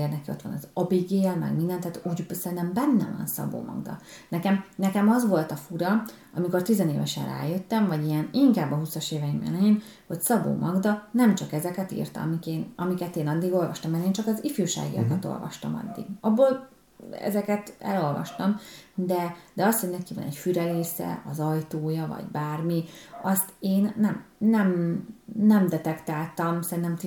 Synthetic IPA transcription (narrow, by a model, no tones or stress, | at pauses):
ernɛkio̞t̪ʋɒ̰nzɒbiɡeːlmɛ̰ɡmind̪ɛnt̪aːt̪uːɟbsɛɾint̪ɛmbɛnːɛ̰vɒ̰nsɒ̰bo̰ːmɒ̰ɡd̪ɒ̰nɛkɛmnɛkɛmɒzʋo̞lt̪ɒfuɾɒ | ɒmiko̞rt̪izɛneːvɛʃɛ̰nra̰ːjøt̪ːɛɱvɒɟijɛniŋkaːbːɒɦusɒʃeːvɛjimɛ̰lɛjin | ho̞csɒbo̰ːmʔɒɡd̪ɒnɛmt͡ʃɒkɛzɛkɛt̪ḭrt̪ɒ̰mikeːnɒmikɛt̪eːnɒd̪ːiɡo̞lvɒʃt̪ɒmːɛneːnt͡ʃɒkɒzifyːʃa̰ːɡḭjɒ̰kɒt̪o̞̰lvɒ̰ʃt̪ɒ̰mɒ̰d̪ːḭɡ̥ɒbːoːl | ɛ̰zɛkɛt̪ɛ̰lo̞lvɒ̰ʃt̪ɒmd̪ɛd̪ɛɒst̪ho̞ɟnɛkivɒ̰nɛcfyɾɛleːsɛ̰ɒzɒjt̪oːjɒvɒ̰ɟbaːrmiɒst̪eːnːɛmːɛm | nɛmd̪ɛt̪ɛkt̪aːlt̪ɒmsɛɾint̪ɛmt̪